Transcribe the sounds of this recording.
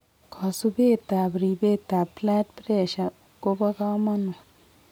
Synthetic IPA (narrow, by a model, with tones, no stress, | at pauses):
kʰɔ˨sube˦t̪a˨bɾibe˦t̪a˨pla˦tpɾɛ˦ʃa˨ | ɡo˦ba˦ɡa˦ma˦nu˨